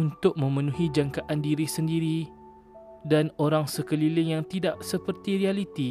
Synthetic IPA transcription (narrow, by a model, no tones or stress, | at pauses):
unt̪ʊk̚mə̃mə̃nũɦid͡ʒaŋkaʔandiɾisəndiɾi | danoɾaŋsəkəlilɪŋjaŋt̪idaʔsəpərt̪iɾialit̪i